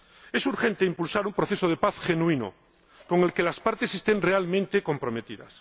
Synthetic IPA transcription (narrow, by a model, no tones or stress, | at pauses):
e̞suɾxe̞nt̪eimpulsaɾumpɾoθe̞soð̞epaθxe̞nũino̰ | ko̞ŋe̞lke̞laspaɾt̪e̞sest̪e̞nrealmẽnt̪ekompɾo̞met̪iða̰s